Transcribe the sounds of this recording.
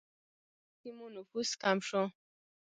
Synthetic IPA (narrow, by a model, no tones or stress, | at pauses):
simunufuskamʃɔ̃